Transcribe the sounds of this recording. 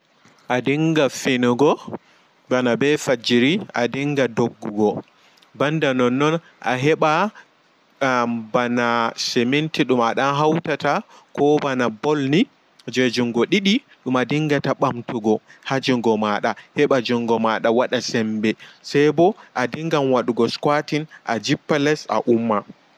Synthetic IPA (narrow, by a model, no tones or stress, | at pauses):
ʔadiŋɡafenuɡɔ | banabɛfad͡ʒiɾia̰diŋɡadoɡːuɡɔ | bandanɔnːɔn | ʔa̰ɦɛɓa | banasɛmentiɗumaɗanɦawtata | kɔbanabɔlni | d͡ʒɛd͡ʒuŋɡɔɗiɗi | ɗumadiŋɡataɓamtuɡɔhad͡ʒiŋɡɔmaɗahɛɓad͡ʒɔŋɡɔmaɗawaɗasɛmbɛsajbɔʔadiŋɡamwaɗuɡɔskwatinʔa̰d͡ʒipːalɛsa̰ʔumːa